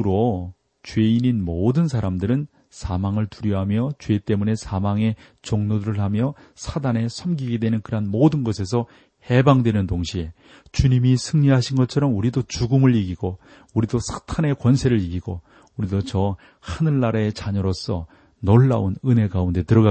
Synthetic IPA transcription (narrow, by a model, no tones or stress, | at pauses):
ɾo | t͡ɕɥwe̞ininmodɯnsʰaɾamdɯɾɯn | sʰamaŋɯɭtuɾjʌɦamjʌt͡ɕwe̞t͈e̞mune̞sʰamaŋe̞ | t͡ɕoŋnodɾɯɭɦamjʌ | sʰadane̞sʰʌmɡiɡe̞dwe̞nɯnkɯɾɦanmodɯnɡʌs̬ʰe̞s̬ʰʌ | he̞baŋdwenɯntoŋɕʰie̞ | t͡ɕuɲimisʰɯŋɲiɦaɕʰinɡʌt͡ɕʰʌɾʌmuɾidot͡ɕuɡɯmɯɭiɡiɡo | uɾidosʰḁtʰane̞kwʌnsʰe̞ɾɯɭiɡiɡo | uɾidot͡ɕʌ | hanɯɭːaɾaet͡ɕaɲʌɾos͈ʌ̰ | noɭːa̰unɯne̞ɡaunde̞tɯɾʌɡa